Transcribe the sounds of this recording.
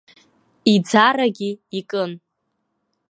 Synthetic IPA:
id͡zaɾaɡʲiːkʼɨn

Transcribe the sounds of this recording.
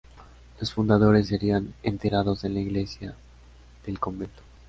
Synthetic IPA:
lo̞sfund̪að̞o̞ɾe̞s̬ːeɾianent̪eɾað̞o̞ze̞nlaiɣle̞sja | ðe̞lko̞mbe̞nt̪o̥

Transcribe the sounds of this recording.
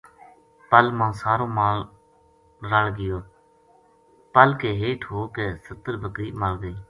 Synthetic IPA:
pəlmãːsaːɾõːmaː | ɾaːlɡɪjoː | pəlkeːɦeːʈʰɦoːkeːsət̪əɾbʱəkɾiːməlɡəiː

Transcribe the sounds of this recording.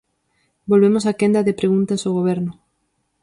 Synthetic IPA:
bolβemosakend̪ɐðepɾeɣunt̪asoɣ̞oβ̞ɛɾnʊ

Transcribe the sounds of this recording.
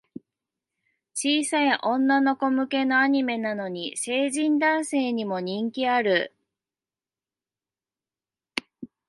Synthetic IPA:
t͡ɕiːsaiʔõ̞nːano̞ko̞mɯ̟ke̞no̞aɲ̟ime̞nano̞ɲ̟ise̞ːʑĩnd̪ãɰ̃se̞ːɲ̟imo̞ɲ̟ĩŋkʲiaɾɯ̟

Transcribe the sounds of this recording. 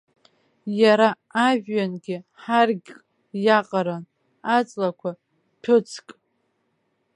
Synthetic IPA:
jaɾaː | ʒᶣːanɡʲɪħarɡʲkʼ | jaqʼaɾan | at͡sʼlakʷʰa | pʰɨt͡sʰkʼ

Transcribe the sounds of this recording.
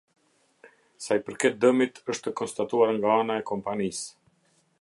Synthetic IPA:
sajpəɾkɛt̪̚d̪əmit̪əʃt̪əkɔnst̪at̪uaɾŋɡaanaɛkɔmpanis

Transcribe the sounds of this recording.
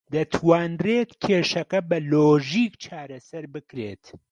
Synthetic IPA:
d̪ɐt̪ʰwaːnreːt̪kʲʰeːʃɐkɐbɐloːʒiːkt͡ʃʰaːɾɐsɐɾbɨkɾeːt̪

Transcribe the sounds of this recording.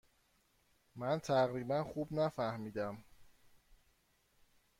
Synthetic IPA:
mænt̪ʰæɣɾiːbænxubnæfæhmiːd̪æm

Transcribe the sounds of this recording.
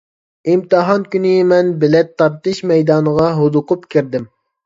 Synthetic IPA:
imt̪ɨɦɑnkʲynɪmɛnbɪlɛt̪ʰːɑɾt̪ɨʃmɛjd̪ɑːnəʁɑɦod̪ʊqʊpkʲʰiɾd̪ɪm

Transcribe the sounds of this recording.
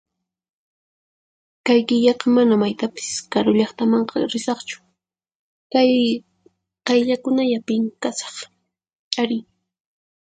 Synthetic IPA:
kajkɪʎɑqɑmanamajt̪apɪ̥skaɾʊʎɑχt̪amɑɴqɑ̰ɾɪsɑχt͡ʃʊ̥ | kaj | qɑjʎakʊnajapɪŋkasɑ̥χʼ | aɾɪj

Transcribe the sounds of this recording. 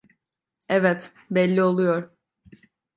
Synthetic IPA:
ɛvɛt̪ | bɛlʲːio̞lˠujoɾ

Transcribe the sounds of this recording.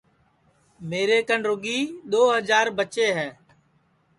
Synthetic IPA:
meːɾeːkənɾʊɡiːɗ̪oːɦəd͡ʒaːɾbət͡ʃeːɦɛː

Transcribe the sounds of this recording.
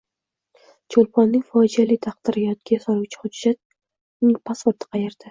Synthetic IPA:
t͡ʃʰolˠpʰɒnːɪŋʲfɒd͡ʒalɪt̪ʰɑq̚d̪̥ɪɾɪjɒt̪̚ɡʲajsaɾuwt͡ʃʰɪ̥hʊd͡ʒːat̪̚ | nɪŋpʰaspʊɾt̪ʰɪ̥qʰɑjeɾd̪̥ɪ

